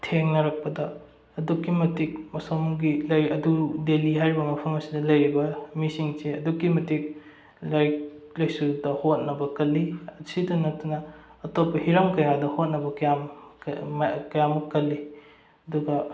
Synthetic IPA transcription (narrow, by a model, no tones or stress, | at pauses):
tʰeŋnɐɾɐk̚pɐdɐː | dukːimɐtik̚mɐsomɡilɐjɐdudeliɦajɾibɐmɐpʰɐmɐsidɐlɐjɾibɐmisiŋseɐdukːimɐtik̚ | lajklɐjsudɐhot̚nɐbɐkɐlːiɐsidɐnɐt̚tunɐ | ɐtopːɐhiɾɐmkɐjadɐhot̚nɐbɐkɐjam | kɐjamɐkːɐlːi | ɐduɡɐ